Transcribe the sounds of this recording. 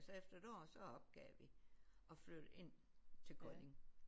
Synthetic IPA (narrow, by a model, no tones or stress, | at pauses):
sɒ̽efd̥ɐed̥ɒ̰ːsɒ̽ɒ̽b̥̚ɡ̥ɛ̰ːʋiɒ̽flø̰d̥e̝n̰t͡sʰe̝lɡ̥ʁɒne̝ŋ